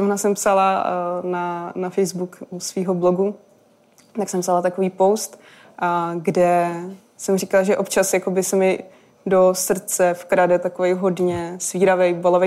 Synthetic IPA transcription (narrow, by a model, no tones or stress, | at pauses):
ovnasɛmpsalananafɛjzbukusviːɦobloɡu | t̪aksɛmpsalat̪akoviːpowst̪ | ɡdɛ | sɛmr̝ikalaʒɛʔo̞pt͡ʃasjako̞bɪsɛmɪ | dosr̩t͡sɛfkɾadɛt̪akovɛjɦo̞dɲɛsviːɾavɛjbolovɛj